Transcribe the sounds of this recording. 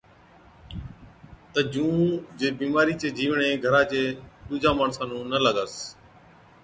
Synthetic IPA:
t̪əd͡ʒũːd͡ʒeːbiːmaːɾiːt͡ʃeːd͡ʒiːʋɳeːɡʱəɾãːt͡ʃeːt̪uːd͡ʒaːmaːɳsãːnũːnələɡəs

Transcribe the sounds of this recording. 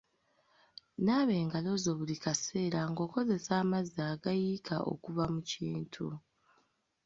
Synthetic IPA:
naːβe̞ːŋɡalo̞zo̞ːβulikase̞ːɾaŋɡo̞ːko̞ze̞saːmazaːɡajiːkʰa̰ʔo̞̰kuβamuciːntʰu

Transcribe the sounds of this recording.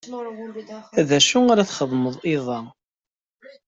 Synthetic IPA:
æðæʃuaɾaθχəðˤməðˤɪðˤɑ

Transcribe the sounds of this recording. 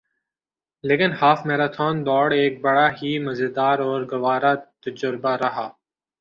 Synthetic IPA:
leːkɪnhaːfmeːɾaːt̪ʰoːnd̪ɔːɽeːk̚bəɽaːɦiːməzɪd̪aːɾɔːɾɡɐʋaːɾaːt̪əd͡ʒʊɾbaːɾɐɦaː

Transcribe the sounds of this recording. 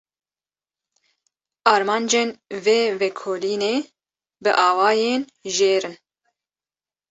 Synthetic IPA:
ɑːɾmɑːnd͡ʒeːnveːvɛkʰoːliːneː | bɨʔɑːwɑːjeːn | ʒeːɾɨn

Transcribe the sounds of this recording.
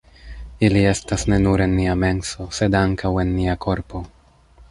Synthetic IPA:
ilie̞stasne̞nuɾe̞nːiame̞nso̞se̞daŋkʰawe̞nːiakʰo̞ɾpo̞

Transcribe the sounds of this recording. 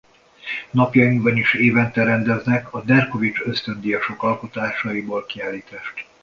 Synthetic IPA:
nɒpjɒjimbɒniʃeːvɛnt̪ɛɾɛnd̪ɛznɛkɒd̪ɛrko̞vit͡ʃø̞st̪ø̞nd̪ijɒʃo̞kɒlko̞t̪aːʃɒiboːlkiaːlːiːt̪aːʃt̪

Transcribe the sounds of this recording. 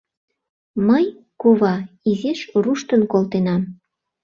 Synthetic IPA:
məj | kuβɑ | izeʃruʃt̪ənkolt̪enɑm

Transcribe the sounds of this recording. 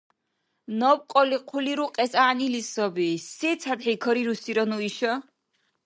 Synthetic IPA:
nɔp̚qʼɔliqʰuliɾuqʼɛsaːnilisɔbisɛt̪sʰat̪ħikʰɔɾiɾusiɾɔnuiʃɔ

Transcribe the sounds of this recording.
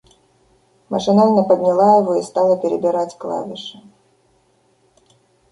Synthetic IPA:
mɐ̰ʂɨnalʲnɐpɐd̪ʲnʲalˠaɛvɔist̪alˠɐpʲɛɾɛbʲiɾat͡sʲklˠa̰vʲiʂɐ

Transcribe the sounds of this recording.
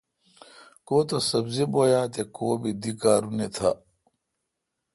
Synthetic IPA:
koːt̪osɐbziboːjaːt̪ekoːbid̪ikaːɾunet̪ʰa

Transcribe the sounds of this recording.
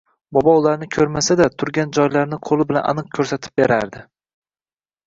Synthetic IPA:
bɒbɒʊlaɾnɪkʲʰɵɾmasad̪at̪ʰʊɾɡʲand͡ʒɒjlaɾnɪqʰolˠɪbɪlanʔa̰nɨq̚kʲʰɵɾsat̪ʰɪ̥p̚beɾaɾd̪ɪ

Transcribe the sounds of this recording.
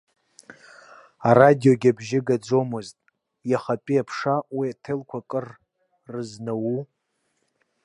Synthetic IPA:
aradijo̞ɡʲabʒɪɡad͡zomɨztʼ | jaχapʼiapʰʂawiatʰelkʷʰakʼɨr | rɨznawu

